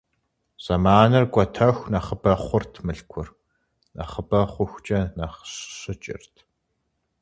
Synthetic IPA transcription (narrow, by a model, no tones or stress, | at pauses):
z̥ɐmaːnɐrkʷʼɔtʰɐxʷnɐχəbɐχʷʊrtʰmɨɬkʷʰʊr | nɐ̰χəbɐχʷʊxʷt͡ʃʼɐnɐχɕɕɨt͡ʃʼɪ̰rtʰ